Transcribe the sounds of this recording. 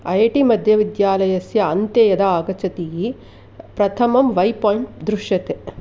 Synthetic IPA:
ɐjɐʈimɐd̪ʱjɐʋid̪jaːlɐjɐsjɐɐnt̪jɐjɐd̪ɐaːɡɐt͡ʃɐt̪iji | pɾɐt̪ʰɐmɐmʋɐjpoːjiɳʈd̪ɾuʃjɐt̪e

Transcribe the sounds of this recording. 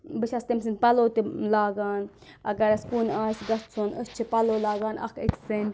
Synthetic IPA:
bɨʃɐst̪imsɨnpɐloːt̪ilaːɡaːn | ɐɡɐɾɐskunaːsɡɐst͡sʰonʔəst͡ʃʰipɐloːlaːɡaːnɐ̰kʰḭksɨnʲ

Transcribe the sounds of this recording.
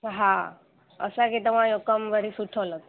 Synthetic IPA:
ɦa | ə̰sakit̪əʋ̤ãjokəmʋəɾisuʈʰolət̪

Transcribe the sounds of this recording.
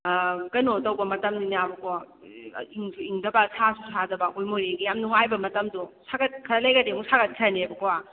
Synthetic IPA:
kɐnotɐwbɐmɐtɐmninabɐkoa | iŋsuiŋdɐbɐsʰasusʰadɐbaojmoɾeɡijamnuŋajbɐmɐtɐmdusʰaɡɐt̚kʰɐɾɐlɐjɡɐdemuŋsaɡɐt̚kʰɾɐnebɐkowa

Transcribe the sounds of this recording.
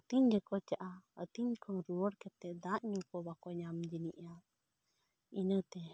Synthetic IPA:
t̪iɲd͡ʒɛkɔt͡ʃaʔaət̪iɲkʰɔŋɾuwəɽkɛt̪ːɛʔd̪ãʔɲukɔbakɔɲamd͡ʒiniʔa | inət̪ɛ

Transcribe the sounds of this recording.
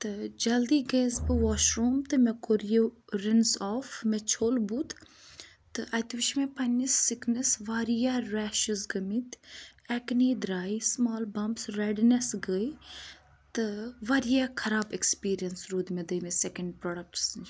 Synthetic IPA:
t̪ɨd͡ʒɐld̪iːɡeːzbɨʋɔːʃɾoːmt̪ɨmekoɾijoɾɪnsɔːfmet͡ʃʰoːlbuːt̪ | t̪ɨʔɐt̪ʋiʃʰmẽpɐnɐsːɪknɐsʋaːɾijaːɾɛːʃɨzɡɐmit̪ɛkniːd̪ɾaːismaːlbɐmbsɾɐɖnɐsɡəi | t̪ɨʋaːɾijakʰɐɾaːbekspiːɾijɐnsɾuːd̪mẽd̪əmesekɐɳɖ̚pɾoːɖɐk̚ʈs

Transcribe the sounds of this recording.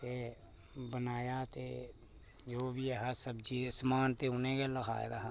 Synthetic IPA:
t̪e | bənaːjat̪e | d͡ʒoːbʱiɦəsəbd͡ʒismaːnt̪eʊnẽkelɐkʰa̰ːḛd̪aɦa

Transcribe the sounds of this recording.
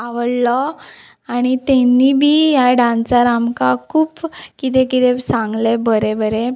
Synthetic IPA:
aʋəɽlɔ | aɽ̃it̪ɛnːibʱiːjaɖãnt͡saɾamkakʰuːpkit̪ɛkit̪ɛsãŋɡlebəɾebəɾe

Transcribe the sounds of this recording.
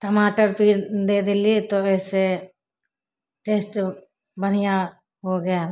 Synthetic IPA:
ʈ̪əmaːʈəɾpiːɾd̪eːd̪eliet̪oɛːse | ʈeːsʈ | bəɽ̤ɪjã | ɦoɡɐja

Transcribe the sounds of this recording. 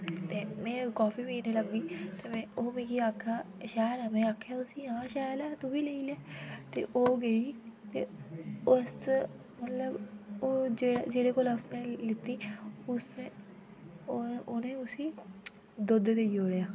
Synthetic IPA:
t̪eːmẽːkaːfiːbinẽːləɡːiːt̪emẽːoːmẽːkiaːkʰːaːʃaːəɾɛːmẽːaːkʰːjaːʊsiːɦãːʃaːjlɛːt̪obiːleiːlɛːt̪ḛːʔoːɡəiːt̪eːʊs | mət̪ləboːd͡ʒeːɽd͡ʒeːɽeːkoːlaːʊsnẽːlɪt̪ːiːʊsnẽː | onẽːʊsiː | d̪ʊd̪d̪eioːɾejaː

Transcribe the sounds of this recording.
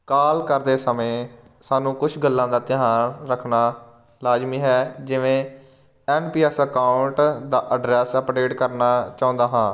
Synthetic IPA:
kaːlkəɾd̪eːsəmẽː | saːnũːkʊt͡ʃʰɡəlːãːd̪aːt̪ɪɦaːnɾəkʰnaː | laːd͡ʒmĩːɦɛːd͡ʒɪʋẽː | ɛːnpiːɛsəkaːʊɳʈd̪aːʔəɖɾɛːsəpɾeːʈkəɾnaːt͡ʃaːʊ̃nd̪aːɦãː

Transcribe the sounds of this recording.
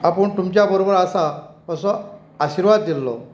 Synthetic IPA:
apəɳt̪umt͡ɕjabəɾobəɾasapəsɔ̃ | aɕiɾʋad̪ːilːɔ̰

